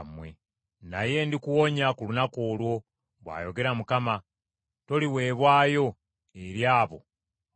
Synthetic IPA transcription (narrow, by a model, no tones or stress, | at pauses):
mwḛ | naje̞ndikuwo̞ɲakulunako̞ːlwo̞ | βwa̰ːjo̞ɡe̞ɾamukama | to̞liwe̞ːβwaːjo̞ | eɾjaːβo̞̰